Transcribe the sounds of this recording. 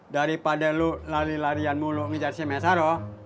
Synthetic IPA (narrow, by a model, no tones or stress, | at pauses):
daɾipadaluʔlaɾilaɾianmulʊŋid͡ʒarsimɛsaɾɔ